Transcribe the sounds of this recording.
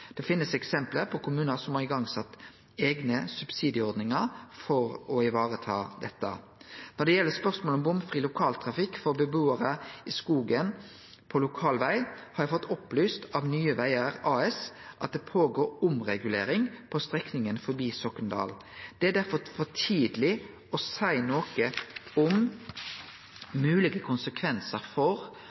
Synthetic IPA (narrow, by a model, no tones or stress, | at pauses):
d̪̥ɛfɪnːəsɛksɛmpləpʰɔkʰʊmʉːnəsɔmhɑʁɪɡɑŋsɑt̪ː | eːɡnəsʉbsiːd̪ɪəɔɾd̪nɪŋəɾfɔɾɔɪʋɑːʁət̪ʰɑ̰ːd̪ɛt̪ːə̰ | nɔd̪ɛjɛlːəspœʁsmoːlɔmbʊmfɾiːlʊkʰɑːlt̪ʰɾɑfɪkːfɔɾbəbuːəɾəɪskuːɡən | pʰɔlʊkʰɑːlʋæɪhɑɾjæfɔt̪ːɔplyːst̪ɑʋnyːəʋæɪəʁɑːɛsʔɑ̰t̪̚d̪ɛpʰoːɡoːɾʊmʁɛɡʉleːɾɪŋpʰɔst̪ʁɛknɪŋənfɔɾbiːsɔkːənd̪ɑ̰ːl | d̪̥ɛæd̪æɾfɔfɔt̪ʰiːd̪lɪ | ɔsæɪnoːkəʊm | mʉːlɪɡəkʰʊnsəkʰʋɛnsəɾfɔʁ